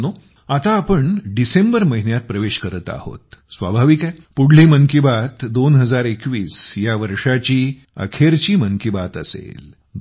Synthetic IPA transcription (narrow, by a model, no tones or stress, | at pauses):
no | at̪aːpəɳɖisembəɾməɦinjat̪̚pɾəʋeɕkəɾət̪a̰ho̰t̪sʋa̰bʱaʋikapuɽliːməŋkibat̪d̪onɦəd͡zaɾekʋiːsjaʋəɾʂat͡ɕiː | ə̰kʰeɾt͡ɕiːməŋkibat̪əsḛl